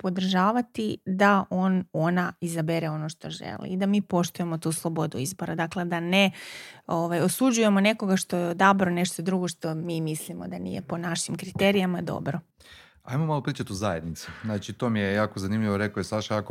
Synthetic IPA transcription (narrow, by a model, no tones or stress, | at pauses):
po̞d̪r̩ʒaːʋat̪id̪aʔo̞ːno̞naizabeɾeo̞no̞ʃt̪o̞ʒḛlˠḭːd̪amiːpo̞ʃt̪uje̞mo̞t̪uːslˠo̞bo̞d̪uizbo̞ɾad̪akle̞d̪aneoʋajo̞sud͡ʑuje̞mo̞ne̞ko̞ɡaʃt̪o̞jeod̪abɾone̞ʃt̪o̞d̪ɾuɡo̞ʃt̪o̞miːmislimo̞d̪anḭje̞̰po̞naʃimkɾit̪eɾijamad̪o̞̰bɾo | a̰jmomalopɾiːt͡ʃat̪uzajḛd̪nit̪su̥znaːt͡ʃit̪omijejaːkozanimʎʲiʋoɾekojesaʃajako